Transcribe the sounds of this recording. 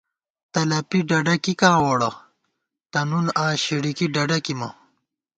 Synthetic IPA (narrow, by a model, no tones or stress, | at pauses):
t̪ɐlɐpiɖɐɖɐkikãːwoɽɐ | t̪ɐnunãːɕeɽikiɖɐɖɐkimɐ̰